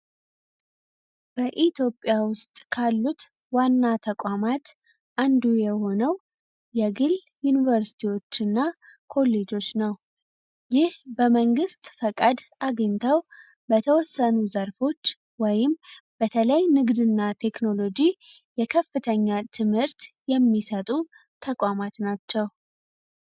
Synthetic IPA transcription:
b̥əʔit̪ʰjo̞pʼːjawʊst̪ʼkʰalːut̪ | wanːat̪ʰəkʷʼamat̪ | ʔand̪ujɛho̞nəw | jɛɡɨl | junivəɾsi̥t̪ʰiwo̞t͡ʃːɨnːa | kʰo̞lːe̞d͡ʒo̞t͡ʃːnəw | jɪhbəməŋɡɨst̪fəkʼad̪ʔaɡəɲt̪ʰəw | bət̪ʰəwɔsːənuzəɾfo̞t͡ʃː | wɔjɪm | bət̪ʰələjnɨɡd̪ɨnːat̪ʰe̞kno̞lo̞d͡ʒi | jɛkʰəfːɨt̪ʰəɲːat̪ʰɨmhɨɾt̪jɛmːisət̪ʼu | t̪ʰəkʷʼamat̪nat͡ʃːɛw

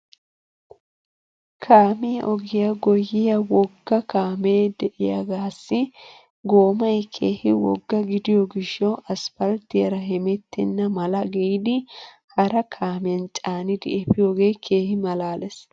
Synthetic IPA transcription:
kʰaːmɪjɐʔɔɡɪjɐɡɔjːɪjɐwɔɡːɐkaːmeːd̪ɛʔɪjɐ̰ɡaːsːɪ | ɡo̞ːmɐjkʰeːhɪwɔ̰ɡːɐɡɪd̪ɪjɔɡɪʃːɔʔɐsfɐlt̪ːɪjɐɾɐɦɛmɛt̪ːɪnːɐmɐlɐɡɛjd̪ɪ | hɐɾɐkʰaːmɪjɐnt͡ʃʼaːnɪd̪ɪɛpɪjo̞ːɡe̞ːkʰeːhɪmɐlaːlɛs

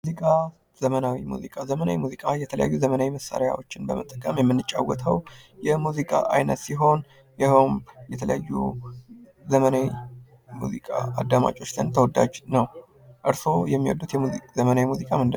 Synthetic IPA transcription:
mumzikʼa | z̥əmənawimṵzikʼazəmənawimuzikʼajɛt̪ʰələja̰jːuzəmənawiməsːa̰ɾja̰wo̞t͡ʃːɪnbəmət̪ʼːəkʼəmjɛmːɨnːɨt͡ʃʼːawːət̪ʰəwjɛmuzikʼa̰ʔajnət̪siɦo̞n | jɛhəwmjɛt̪ʰələ̰jajːṵ | zəmənawi | muzikʼa̰ad̪ːama̰t͡ʃʼo̞t͡ʃːt̪ʰɨnt̪ʰəwɔd̪a̰d͡ʒnəw | ʔɨɾso̞jɛmːiwɔ̰d̪ːut̪jɛmuzəmənawimuzikʼamɨnd̪ɨ

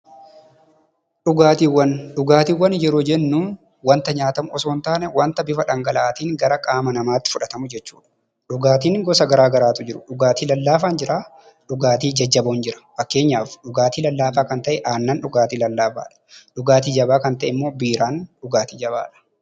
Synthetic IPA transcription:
ᶑʊɡaːt̪iːwːɐnᶑʊɡaːt̪iːwːɐnjɛɾoːd͡ʒɛnːʊː | wɐnt̪ɐɲaːt̪ɐmʊɔsoːnt̪aːnɛwɐnt̪ɐbɪfɐᶑɐŋɡɐlaːt̪iːŋɡɐɾɐkʼaːmɐnɐmaːt̪ːɪ̥fʊᶑɐt̪ɐmʊd͡ʒɛt͡ʃːuːᶑɐ̥ | ᶑʊɡaːt̪iːŋɡɔsɐɡɐɾaːɡɐɾaːt̪ʊd͡ʒɪɾʊᶑʊɡaːt̪iːlɐlːaːfaːnd͡ʒɪɾaː | ᶑʊɡaːt̪iːd͡ʒɐd͡ʒːɐboːnd͡ʒɪɾɐ̥fɐkːe̞ːɲːaːfᶑʊɡaːt̪iːlɐlːaːfaːkɐnt̪ɐʔɛʔaːnːanᶑʊɡaːt̪iːlɐlːaːfa̰ːᶑɐ̥ᶑʊɡaːt̪iːd͡ʒɐbaːkɐnt̪ɐʔɪmːo̞ːbiːɾaːnᶑʊɡaːt̪iːd͡ʒɐba̰ːᶑɐ̥

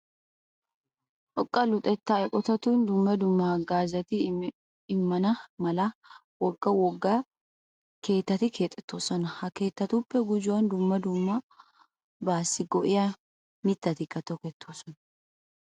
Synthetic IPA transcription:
ʔɔkʼːɐlʊt̪ʼɛt̪ːaɛkʼɔt̪ɐt̪und̪ʊmːɐd̪ʊmːɐɡaːzɐt̪ɪ | ɪmːɐnɐmɐlɐ | wɔɡːɐwɔɡːɐ | ke̞ːt̪ːɐt̪ɪkʰe̞ːt̪ʼːɛ̥t̪ʰːo̞ːsɔnɐhɐke̞ːt̪ːɐt̪upːɛɡʊd͡ʒʊwɐnd̪ʊmːɐd̪ʊmːɐ | baːsːɪɡɔʔɪjɐ | mɪt̪ːɐt̪ɪkːɐt̪ːɔkeːt̪ʰːoːsɔnɐ

